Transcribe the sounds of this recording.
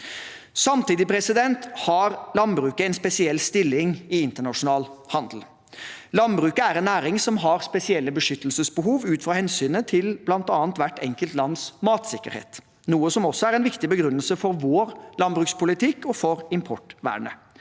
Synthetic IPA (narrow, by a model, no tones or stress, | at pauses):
sɑmt̪iːd̪ɪpʰɾɛsɪd̪ɛnt̪hɑɾlɑnbɾʉːkəɛnspɛsɪɛlːst̪ɪlːɪŋɪɪnt̪əɳɑʂʊnɑːlhɑnd̪l̩ | lɑnbɾʉːkəæɾɛnːæːɾɪŋsɔmɦɑɾspɛsɪɛlːəbəʂʏt̪əlsəsbəɦuːʋʉːt̪fɾɑːhɛnsyːnət̪ʰɪlblɑnt̪ɑːnt̪ʋæʈːɛŋkəlt̪lɑnːsmɑːt̪sɪkːə̰ɾhḛːt̪ | nuːəsɔmɔsːɔæɾɛɪnʋɪkt̪ɪbəɡɾʉnːəlsəfɔɾʋoːɾlɑnbɾʉːkspʊlɪt̪ʰɪkːɔfɔɾɪmpʰɔʈʋæ̰ːɳə̰